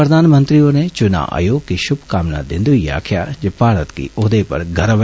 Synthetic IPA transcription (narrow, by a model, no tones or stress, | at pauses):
pɾɐd̪ʱaːnmə̃nt̪ɾionet͡ʃʊna̰ːʔə̰joːɡkiʃʊbʱkaːmna̰d̪ɪ̃nd̪uija̰ːkʰjad͡ʒepaːɾət̪kḭoːd̪epɐ̰ɾɡʱɐɾəʋ